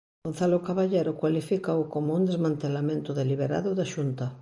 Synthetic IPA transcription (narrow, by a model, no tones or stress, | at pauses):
on̟θalokaβaʎeɾokwalifikaokomound̪ezmãnt̪elamẽnt̪oðeliβ̞eɾa̰ðoðaʃunt̪a